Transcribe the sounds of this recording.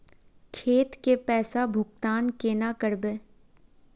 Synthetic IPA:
kʰeːt̪kepɛːsabʱʊk̚t̪aːnkeːnakəɾbeː

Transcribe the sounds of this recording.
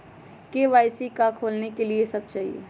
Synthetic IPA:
keʋaːɪsikakʰoːlnekeliesɐb̚t͡ʃaːɦḭḛ

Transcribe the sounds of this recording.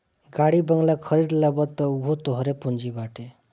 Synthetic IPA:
ɡaɽibəŋɡlakʰəɾid̪labət̪ːɔuɦot̪ɔɦɾepund͡ʒibaʈʰe

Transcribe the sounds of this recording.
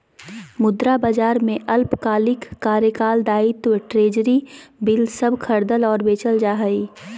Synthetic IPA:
mʊd̪ɾabəd͡ʒaːɾmẽʔɐlpkaːlɪkːaːɾjəkaːld̪aːɪt̪wʈɾeːd͡ʒɾibɪlsəbʱkʰɐɾd̪əlɔːɾbeːt͡ʃəld͡ʒaːɦəiː

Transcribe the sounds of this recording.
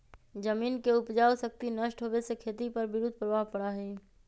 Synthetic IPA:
d͡ʒəmiːnkeʊpd͡ʒaːwsək̚t̪inəʃʈɦoːʋesekʰeːt̪ipɐɾbɪɾud̪̚ʱpɾəʋaːɦpɐɽaɦɛː

